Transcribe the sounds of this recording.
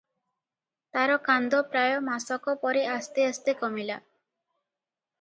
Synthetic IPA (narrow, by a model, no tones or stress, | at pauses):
t̪aɾɔkand̪ɔpɾajɔmasɔkɔpɔɾeʔast̪eəst̪ekɔmila